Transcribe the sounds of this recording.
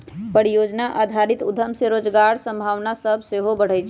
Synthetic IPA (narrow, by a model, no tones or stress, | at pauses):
pəɾijod͡ʒnaʔad̪ʱaɾit̪ud̪ʱəmseɾod͡ʒɡaɾsə̃mbʱaʋnasəbʱseɦobəɽ̤əjt͡ʃʰ